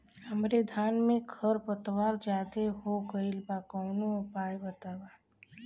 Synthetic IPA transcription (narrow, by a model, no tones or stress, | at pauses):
həmɾed̪ʱaːnmẽkʰəɾpət̪waːɾd͡ʒaːt̪eɦoɡəɪlbakɔːnõpaːjbət̪aːwaː